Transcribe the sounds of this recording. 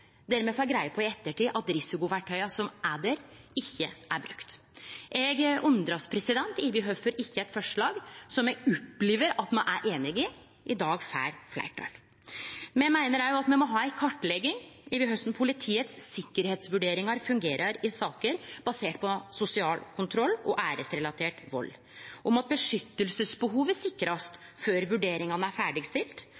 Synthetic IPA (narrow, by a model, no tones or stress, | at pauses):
d̪æɾmɛfɔæɡɾæɪəpʰɔɪɛt̪ːəʈiːʔɑt̪ɾɪsɪkʊʋæʈʰːœʏɑsɔmʔæːd̪əɾɪçːəʔæɾbɾʉkt̪ | ʔɛɡʉnd̪ɾɑspʰɾɛsɪd̪ɛnt̪ɪʋɪɦœfəɾɪçːəæɪt̪fɔʂɭɑːɡsɔmɛɡʊpːliːʋəɾɑt̪mɑnʔæɾʔeːnɪɡɪ | ʔɪd̪ɑːɡfæ̰ːɾflæ̰ːʈʰɑ̰ːɡ | mɛmæɪnəɾæɾjʊɑt̪mɛnmɔɦɑːæɪkʰɑʈːlɛɡɪŋɪʋɪɦœst̪n̩pʰʊlɪt̪ʰiːət̪sːɪkːəɾheːt̪sʋʉɖeːɾɪŋɑɾfʉŋɡeːɾʔɑɾɪsɑːkəɾb̥ɑseːʈpʰɔsʊsɪɑːlkʰʊnt̪ʰɾɔlːɔʔæːɾəsɾɛlɑt̪ʰeːʈʋɔ̰lː | ʔɔmɑt̪̚bəʂʏt̪ːəlsəsbəɦuːʋəsɪkːɾɑst̪føːɾʋʉɖeːɾɪŋɑnəæɾfæːɖɪɡst̪ɪlt̪